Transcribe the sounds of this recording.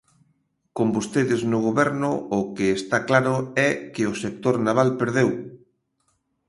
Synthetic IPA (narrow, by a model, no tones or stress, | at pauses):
kombost̪eðɪznʊɣoβɛɾnʊːkɪːst̪aklaɾʊɛkɪʊsek̚t̪oɾnaβalpeɾðew